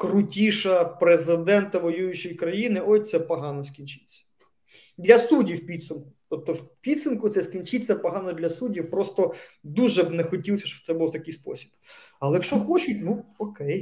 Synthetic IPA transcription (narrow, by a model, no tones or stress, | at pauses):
kɾʊtʲiʃɐpɾezɪd̪ɛnt̪ɐʋɔjujʊt͡ʃɪjkɾɐjinɪʔɔjʲt̪sɛpɐɦɑnɔskʲinʲt͡ʃɪ̥t͡sʲːɐ̥ | d̪lʲɐsudʲiwpʲid̪sʊmkʊ̥t̪ɔp̚t̪ɔwpʲid̪sʊmkʊt̪sɛskʲinʲt͡ʃɪt̚ʲt͡s̪ɛpɔɦɑnɔd̪lʲɐsudʲiwpɾɔst̪ɔd̪uʒɛbnɛxɔtʲilˠsʲɐʃɔ̥b̚t̪sɛbʊlˠt̪ɐkɪjspɔ̰sʲi̥b̥ɐlˠɛjkʃt͡ʃɔxɔt͡ʃʊtʲnuɔkɛj